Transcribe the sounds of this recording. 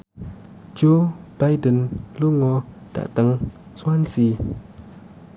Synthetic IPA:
d͡ʒob̥ajdənluŋɔd̥a̰t̪əŋswansi

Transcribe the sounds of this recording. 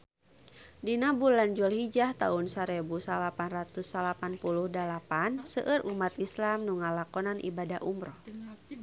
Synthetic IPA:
dinabuland͡ʒɔlhid͡ʒaht̪a̰unsaɾɛbusalapanrat̪usalapanpuluhdalapansəʔəɾʔumat̪islamnuŋalakɔnanʔḭbadaʔumɾɔ

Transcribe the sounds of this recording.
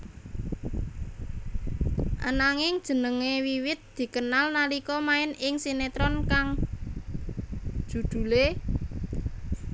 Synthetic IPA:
ʔa̰naŋɪŋd̥ʒ̥ə̤nəŋewiwɪt̪̚d̪̥i̤kənalnalikɔmaɪnɪŋsinet̪ɾɔnkaŋ | ʒ̥ṳd̪̥ṳle

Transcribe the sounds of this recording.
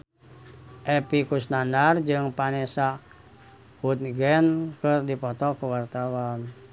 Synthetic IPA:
ʔɛpikusnandard͡ʒɨŋpanɛsa | hut̪̚ɡɛnkɨrdipɔt̪ɔkuwart̪awan

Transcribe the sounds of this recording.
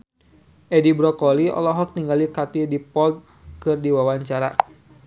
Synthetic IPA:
ʔɛdibɾɔkɔliɔ̰lɔɦɔk̚niŋɡalikat̪idipɔlt̪̚ | kɨrdiwawaɲt͡ʃaɾa̰

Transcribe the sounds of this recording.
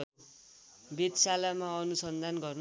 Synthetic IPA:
bed̪salamaʌnusʌnd̪ʱanɡʌrn

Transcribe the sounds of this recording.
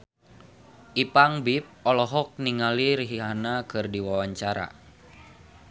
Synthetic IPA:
ʔipaŋbip̚ɔlɔɦɔk̚niŋaliɾiɦiɦanakɨrdiwawaɲt͡ʃaɾa̰

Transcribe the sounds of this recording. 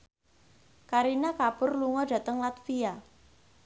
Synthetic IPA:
kaɾinakab̥ʊrluŋɔɖä̤t̪əŋlat̪fia

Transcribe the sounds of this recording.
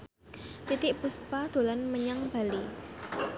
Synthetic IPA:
t̪it̪ɪʔpuspad̪̥o̤lanməɲaŋb̥a̤li

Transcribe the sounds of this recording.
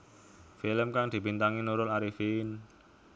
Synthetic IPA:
filəmkaŋd̪̥i̤pint̪aŋinuɾʊlaɾifin

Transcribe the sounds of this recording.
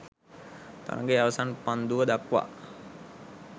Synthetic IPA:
t̪a̰ɾa̰ŋɡeaʋasanpand̪uəd̪akʋa̰

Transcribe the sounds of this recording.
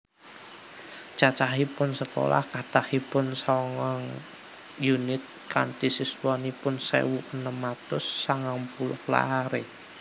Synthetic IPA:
t͡ʃat͡ʃaɦipʊnsəko̰la̰hkat̪ahipʊnsɔŋɔŋ | junɪt̪̚kant̪isiswɔnipʊnsɛ̰wuʔənəmat̪ʊsːaŋaŋpulʊhla̰ɦaɾe

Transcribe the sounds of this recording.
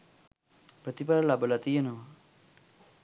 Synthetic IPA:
pɾət̪ipaɾəlabəlat̪ijənəʋa

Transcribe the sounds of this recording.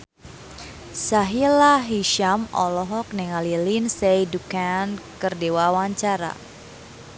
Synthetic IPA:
saɦilaɦiʃamʔɔlɔɦɔk̚nɛŋalilinsɛjdukankərdewawaɲt͡ʃaɾa̰

